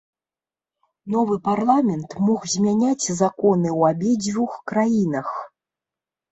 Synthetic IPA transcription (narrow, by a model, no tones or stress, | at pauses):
nɔvɨparlˠamʲɛnt̪mɔxzʲmʲanʲat͡sʲzakɔnɨwabʲɛd͡zʲvʲuxkɾajinɐx